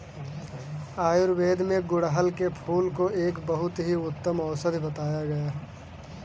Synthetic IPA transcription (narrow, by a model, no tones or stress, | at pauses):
aːjʊɾweːd̪ʱmẽɡʊɽɦəlkepʰuːlkoʔeːkbɐɦʊt̪ɦiʊt̪ːəmɔːsəd̪ʱbɐt̪aːjaɡɐjaː